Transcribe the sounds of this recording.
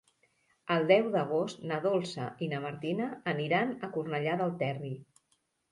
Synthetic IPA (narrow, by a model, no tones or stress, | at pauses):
əlˠd̪ɛwðəɣ̞ost̪nəðolˠsə̰inəməɾt̪inəːniɾanəkurnəʎaðəlˠt̪ɛri